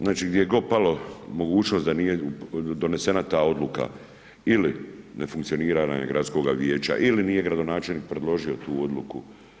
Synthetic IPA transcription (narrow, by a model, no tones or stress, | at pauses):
znaːt͡ʃiːɡd̪jejeɡo̞palo̞mo̞ɡuːt͡ʃno̞st̪d̪anije̞ud̪o̞ne̞se̞nat̪aːo̞d̪luka̰ | iline̞fuŋkt̪sio̞niːɾaːna̰ɡɾʔat̪sko̞ːɡaʋje̞ːt͡ʃa̰ʔilinije̞ɡɾad̪o̞naːt͡ʃe̞lniːk̚pɾe̞d̪lo̞ʒio̞t̪uːo̞d̪luku